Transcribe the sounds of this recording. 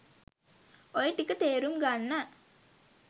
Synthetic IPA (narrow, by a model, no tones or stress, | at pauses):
ojeʈːikːət̪eːɾumɡaːnːɐ